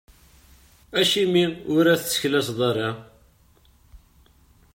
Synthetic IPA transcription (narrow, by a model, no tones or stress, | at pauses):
æʃimiʊɾæθt͡sːə̥çlæsðˤɑɾɑ